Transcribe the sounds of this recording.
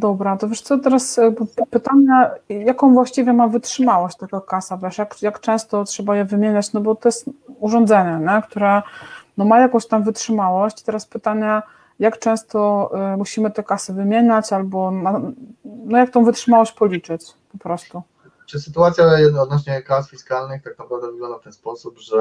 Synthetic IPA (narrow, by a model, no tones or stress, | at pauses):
d̪ɔbɾat̪ɔvʲɛʂt̪sɔt̪ɛɾaspɘt̪aɲajakɔ̃w̃vwaɕt͡ɕivʲjɛmavɘtʂɘmawɔɕt͡ɕʲt̪akakasavʲjɛʂjakjakt͡ʂɛ̃w̃st̪ɔtʂɛbajɛvɘmʲjeɲat͡ɕnɔbɔt̪ɔjɛst̪uʐɔnd̪zɛɲɛɲɛkt̪uɾɛnɔmajakɔ̃w̃ɕt̪amvɘtʂɘmawɔɕt͡ɕit̪ɛɾaspɘt̪aɲa | jakt͡ʂɛ̃w̃st̪ɔmuɕimɘt̪ɛkasɘvɘmʲjeɲat͡ɕalbɔna | nɔjak̚t̪ɔ̃w̃vɘtʂɘmawɔɕt͡ɕpɔlʲit͡ʂɘt͡ɕ | pɔpɾɔst̪u | t͡ʂɨsɘt̪uat̪sʲjaɔd̪nɔɕɲɛkasfʲiskalnɘxt̪ak̚napɾavd̪ɛvɘɡlɔ̃nd̪aft̪ɛnspɔsubʐɛ